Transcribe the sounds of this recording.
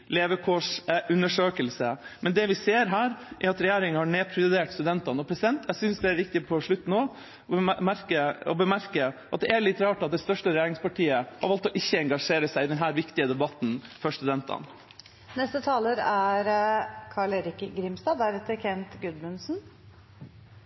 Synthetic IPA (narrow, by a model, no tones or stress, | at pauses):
leːʋəkʰoːʂʔʉnəʂøːkəlsəmɛnd̪ɛʋɪseːɾɦæːɾʔɛɾɑt̪ɾɛjeːɾɪŋhɑɳeːpʰɾɪəd̪eːʈst̪ʉd̪ɛnt̪ɑnɔpʰɾɛsɪd̪ɛnt̪æsʏnsd̪ɛæɾʋɪkt̪ɪpʰɔʂɭʉt̪ːnoː | mæɾkəɔ̰bəmæɾkəʔɑt̪̚d̪ɛæɭɪt̪ːɾɑːʈɑt̪̚d̪ɛst̪œʂʈəɾɛjeːɾɪŋspɑʈʰiːəhɑ̰ɾʋɑlt̪ɔʔɪçːəɛŋɡɑʂeːɾəsæɪɪd̪ɛnɦæːɾʋɪkt̪ɪəd̪ɛbɑt̪nfœʂt̪ʉd̪ɛnt̪ɑ̰n | nɛst̪ət̪ʰɑːləɾæɾkʰɑɭeɾɪkəɡɾɪmst̪ɑːd̪æɾɛt̪ːəɾkʰɛnt̪ɡʉd̪mʉnsn̩